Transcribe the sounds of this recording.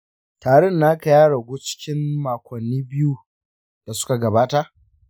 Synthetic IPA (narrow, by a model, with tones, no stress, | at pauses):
taː˨ɽɛ˦nːa˦kɐ˨jaː˦ɽɐ˨ɡʷoː˦t͡ʃɪ̥˦kʲɪ˦mːaː˨kʷɐ˨nːiː˦bɪ˦ju˦ | d̥a˨sʊ̥˦ka˨ɡɐ˨baː˦ta˦˨ʔ